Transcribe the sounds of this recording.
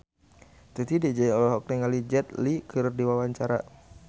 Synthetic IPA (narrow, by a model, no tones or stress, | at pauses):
t̪ut̪idid͡ʒaiɔlɛɦɔk̚niŋalid͡ʒɛt̪̚likɨɾrdiwawaɲt͡ʃaɾa̰